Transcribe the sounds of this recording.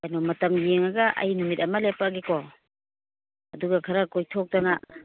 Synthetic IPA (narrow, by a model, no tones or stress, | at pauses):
ajnɔmɐtɐmjeŋaɡaʔɐ̰jnumit̚ɐmalepaɡeko | ɐduɡakʰaɾakojtʰok̚tana